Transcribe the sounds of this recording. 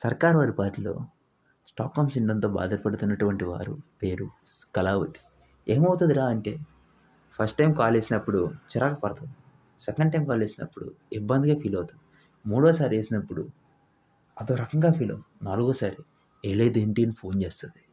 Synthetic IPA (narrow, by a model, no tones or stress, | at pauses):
sɐɾkaːɾɐɐɾipaːʈulo̞̰ː | sʈa̰ːkːaːmsiɳɖɐnt̪o̞ːba̰ːd̪ɐɾpɐɽut̪unːɐʈuʋɐɳʈiʋa̰ːɾṵpe̞ːɾukɐlaːʋut̪ːi̥ | eːmɐwt̪und̪iɾaːɐɳʈe̞ː | pʰɐsʈʈɐjmkaːleːsinɐpːuɽut͡ʃiɾakɐpɐɽɐt̪ɐi | sɛkɐɳɖʈɐjmkaːleːsinɐ̰pːuɽṵibːɐnd̪iɡaːpʰiːlɐwut̪ud̪i | muːɽɔːsaːɾeːsinɐpːuɽu | ɐd̪oːɾɐkɐŋɡaːpʰiːlonaːluɡoːsaːɾi | eːled̪ueɳʈinpʰo̞ːnt͡ʃe̞ːst̪und̪i